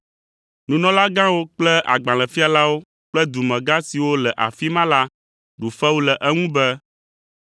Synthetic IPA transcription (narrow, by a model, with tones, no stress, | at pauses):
nũ˨nɔ̃˦la˦ɡã˦wo˦k͡plɛ˦ʔa̰˨ɡ͡bã˨lɛ˨fi˦a˨la˦wo˦ | k͡plɛ˦d̪u˨mɛ̃˨ɡa˦si˨wo˦lɛ˨ʔa̰˨fi˦mã˦la˦ | ɖu˨fɛ˦wu˦lɛ˨ʔɛ˦ŋũ˦bɛ˦